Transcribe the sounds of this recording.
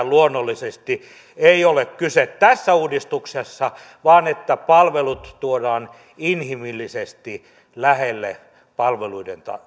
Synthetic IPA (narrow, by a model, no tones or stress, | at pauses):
luonːolːisest̪i | eiolekkyset̪t̪æsːæuːdist̪uksesːɑ | ʋɑːnet̪ːæpɑlʋelut̪t̪uodɑːn | inhimilːisest̪i | læhelːe | pɑlʋeluident̪ɑ̰